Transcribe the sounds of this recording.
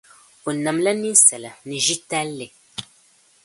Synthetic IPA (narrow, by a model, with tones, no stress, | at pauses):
o˨na˨mla˦ni˦n˦sɛ˨la˨nɨ˨ʒi˦ta˦lːe˨